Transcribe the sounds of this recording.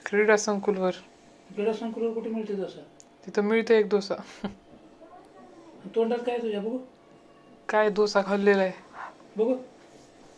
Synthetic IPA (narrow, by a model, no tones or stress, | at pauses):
kɾiɽasəŋkulʋəɾ | kɾiɽasəŋkulʋəɾkoʈʰemiɭt̪ed̪osat̪it̪ʰəmiɭt̪əek̚d̪osa | ant̪oɳɖat̪̚kajt̪ud͡ʑabəɡu | kajd̪osakʰəlːelaj | bəɡo